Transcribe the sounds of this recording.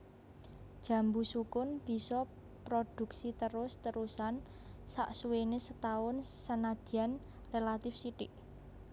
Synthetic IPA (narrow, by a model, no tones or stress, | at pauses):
d̥ʒ̥ä̤mbusukʊnb̥i̤sɔ | pɾod̪̥ṳksit̪əɾʊst̪əɾusan | sa̰ʔsuwenesət̪aʊnsənad̪̥i̤an | relat̪ɪfsiʈɪʔ